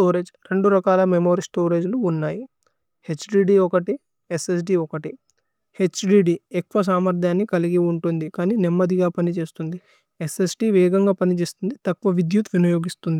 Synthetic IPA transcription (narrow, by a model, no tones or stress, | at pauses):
oːɾe̞ːd͡ʒɾe̞ɳɖuɾɐkaːlɐmemo̞ːɾisʈoːɾe̞ːd͡ʒluːnːaːji | he̞t͡ʃɖiːɖiɔkɐʈi | eses̬ɖiɔkɐʈi | he̞t͡ʃɖiːɖiekʋɐs̬aːmɐɾd̪ʱjaːnːikɐliɡiuɳʈund̪ikaːniːnɛmːɐd̪iɡaːpɐnit͡ʃe̞ːst̪und̪i | ese̞sɖiːʋɛːɡɐŋɡaːpɐnit͡ʃe̞ːst̪und̪it̪ɐkʋɐʋid̪jut̪ʋinɐjo̞ːɡist̪und̪i